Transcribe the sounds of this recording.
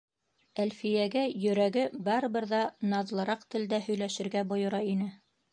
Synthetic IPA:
ælfijæɡæjɵ̆ɾæɡɘbɑɾɤβɤ̆ɾðɑnɑðlˠɤ̆ɾɑqt̪ɘ̆ld̪æhɵ̆jlæʃɘ̆ɾɡæbŏjŏɾɑinɘ

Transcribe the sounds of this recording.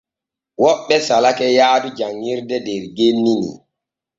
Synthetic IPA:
wɔɓːɛsalakɛjaːdud͡ʒaŋːiɾdɛdɛɾɡenːinḭ

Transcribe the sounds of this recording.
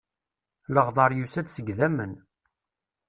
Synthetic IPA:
ləʁðˤɑɾˤjusæd̪səɡðæmən

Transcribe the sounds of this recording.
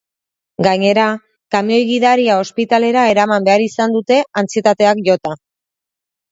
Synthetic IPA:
ɡaɲe̞ɾa | kamio̞jɣiðaɾiao̞spit̪ale̞ɾae̞ɾamambe̞aɾisand̪ut̪e̞ant͡sie̞t̪at̪e̞akʝo̞t̪a

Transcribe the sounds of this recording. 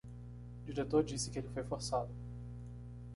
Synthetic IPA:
d͡ʒiɾet̪oɾd͡ʒisɪ̥kɪelɪfojfoɾsad̪ʊ

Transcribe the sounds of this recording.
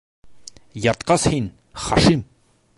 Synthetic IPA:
jɑɾt̪qɑshin | χɑʃim

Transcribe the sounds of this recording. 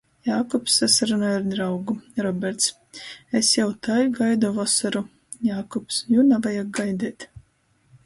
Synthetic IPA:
jaːkɔpsːasaɾunaaɾd̪ɾawɡuɾɔbʲɛɾt̪s | esjawt̪ajɡajd̪uvɔsaɾu | jaːkɔpsjunavajak̚ɡajd̪ɛːt̪

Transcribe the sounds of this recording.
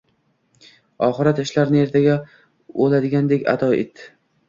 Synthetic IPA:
ɒχɨɾat̪ɪʃlaɾnɪe̞ɾt̪ʰaɡʲa | olad̪ɪɡʲand̪ekʲa̰d̪ʰɒɪ̰t̪ːɪ

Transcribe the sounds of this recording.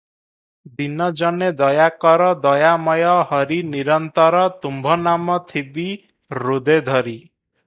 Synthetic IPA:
d̪inɔd͡ʒɔned̪ɔjakɔɾɔd̪ɔjamɔjɔɦɔɾiniɾɔnt̪ɔɾɔt̪umbʱɔnamɔt̪ʰibi | ɾud̪ed̪ʱɔɾi

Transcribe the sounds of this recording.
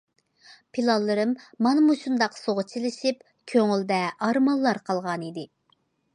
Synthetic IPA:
pʰilˠɑlˠːɨɾɨmːɑnɨmuʃund̪ɑqsoʁət͡ʃʰilɪʃip | kʲʰøŋyld̪ɛɑɾmɑlˠːɑɾqʰɑlˠʁɑnid̪ɪ

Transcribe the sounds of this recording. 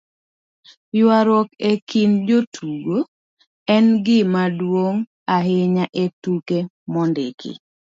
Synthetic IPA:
jwaɾwɔkekind͡ʒotʰuɡo | ɛnɡɪmadwoŋ | aɦɪɲaʔetuke | mɔndekḭ

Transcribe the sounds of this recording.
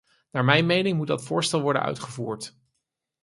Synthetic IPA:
naːɹmɛjnmejnɪŋmud̚dɑtfʊːɹstɛlˠʋɔɹdə̰nœ̰ɥtχəvuːɹt

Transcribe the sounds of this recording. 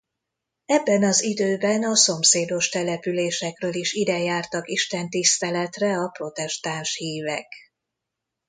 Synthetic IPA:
ɛbːɛnɒzid̪øːbɛnɒso̞mseːd̪o̞ʃt̪ɛlɛpyleːʃɛkrøːliʃid̪ɛjaːrt̪ɒkiʃt̪ɛnt̪ist̪ɛlɛt̪rɛɒpro̞t̪ɛʃt̪aːnʃhiːvɛk

